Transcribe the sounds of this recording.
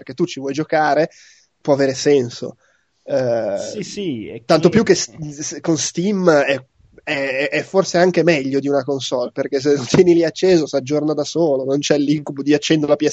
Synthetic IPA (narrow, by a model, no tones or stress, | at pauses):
perk̟et̪ːut͡ʃivwɔjd͡ʒokaːɾe | pwɔaveːɾesɛnso̰ | t̪ant̪opjukːeskonst̪imɛ | ɛʔɛforseaŋkemɛʎːod̪iunakonsɔlperkes̬enõnt̪jɛːniliat͡ʃːeːzosad͡ʒːornad̪asoːlonont͡ʃɛlːiŋkubod̪iat͡ʃːɛnd̪eɾlapjɛ